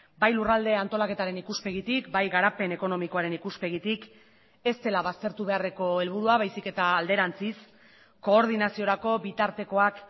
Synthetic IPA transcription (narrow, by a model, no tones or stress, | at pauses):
bajlurald̪e̞ant̪o̞lake̞t̪aɾe̞nikuspe̞ɣ̞it̪ikbajɣaɾape̞ne̞ko̞no̞miko̞aɾe̞nikuspe̞ɣit̪ik | e̞st̪e̞laβast̪e̞ɾt̪uβe̞are̞ko̞e̞lβ̞uɾuaβajsike̞t̪aːld̪e̞ɾant͡sis | ko̞ːɾð̞inasio̞ɾako̞bit̪aɾt̪e̞ko̞ak